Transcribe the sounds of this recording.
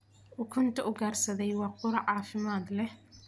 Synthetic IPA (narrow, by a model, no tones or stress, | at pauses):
ʔʊkʰʊnt̪ʰɐʔʊɡaːrsɐðɛjwɑːqʊɾɑʕɑːfɪmaːd̪lɛh